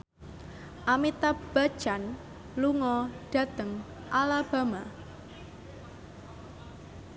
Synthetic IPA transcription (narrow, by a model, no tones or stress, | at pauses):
ʔamit̪ab̥a̤̥t͡ʃan | luŋɔɖ̥a̤t̪əŋ | ʔalab̥a̤ma